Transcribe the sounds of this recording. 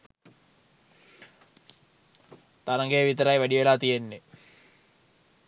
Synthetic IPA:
t̪aɾɐŋɡejːʋit̪əɾajʋæɖiʋelaːt̪ijenːe

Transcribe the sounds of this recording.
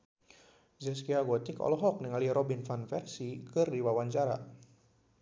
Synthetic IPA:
zɛskiaɡɔt̪ɪkɔ̰lɔɦɔk̚niŋaliɾɔbinfanfɛrsikɨrdiwawaɲt͡ʃaɾa

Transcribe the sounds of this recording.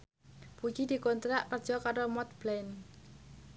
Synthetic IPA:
pud͡ʒid̪i̤kont̪ɾaʔkərd͡ʒ̥ɔkaɾomɔt̪̚b̥lɛn

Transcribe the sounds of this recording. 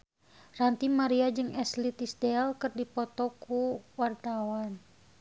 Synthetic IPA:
rant̪imaɾiad͡ʒɨŋɛslit̪isdɛlkɨrdipɔt̪ɔkuwart̪awan

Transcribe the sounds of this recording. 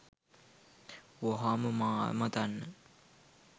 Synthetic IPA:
woɦaməma̰ːmɐt̪anːə

